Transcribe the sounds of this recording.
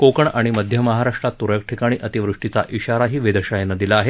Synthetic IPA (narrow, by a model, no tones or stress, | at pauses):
kokəɳaɽ̃iməd̪ʱjəməɦaɾaʂʈɾat̪ːuɾjək̚ʈʰikaɽ̃iːʔət̪iʋɾuʂʈit͡sa̰ʔiɕaɾaɦiːʋed̪əɕajenad̪ilaaɦe